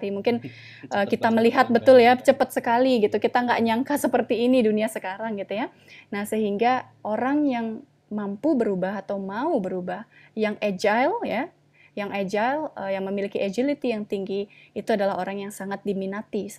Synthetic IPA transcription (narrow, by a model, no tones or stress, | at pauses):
ɾimuŋkɪn | ʔəːkit̪aməliɦat̪̚bət̪ʊljat͡ʃəpət̪̚səkaliɡit̪ukit̪aŋɡaʔɲaŋkasəpərt̪iːniduniasəkaɾaŋɡit̪uja | nahsəɦiŋɡaʔoɾaŋjaŋ | mampubəɾubaɦat̪awmaubəɾubahjaŋed͡ʒajlja | jaŋʔed͡ʒajləjaŋməmilikiʔed͡ʒilit̪ijaŋt̪iŋɡiːt̪uadalaɦoɾaŋjaŋsaŋat̪̚diminat̪is